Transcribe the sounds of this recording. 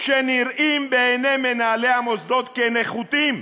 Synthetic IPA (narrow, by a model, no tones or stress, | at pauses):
ʃeniɾimbeːnemenaːlehamosd̪o̞t̪keneχut̪im